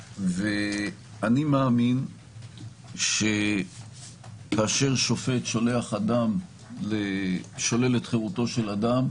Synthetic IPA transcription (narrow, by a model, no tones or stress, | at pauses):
ve | animeːmin | ʃe | kaːʃe̞ʁʃo̞fe̞tʃo̞le̞aχadam | leʃo̞le̞letχeʁuto̞ʃe̞ladam